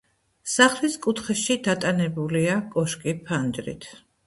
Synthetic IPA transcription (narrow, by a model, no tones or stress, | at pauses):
saχliskʼut̪ʰχɛʃid̪at̪ʼanɛbuliakʼɔʃkʼipʰand͡ʒɾḭt̪ʰ